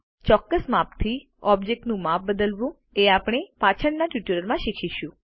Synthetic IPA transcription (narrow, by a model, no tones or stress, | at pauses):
t͡ʃɔkːəsmapt̪ʰi | ɔbd͡ʒek̚ʈnũmap̚ʰbəd̪əlʋũ | eapɽ̃epat͡ʃʰəɳnaʈjuʈəɾəɾmãʃikʰiʃũ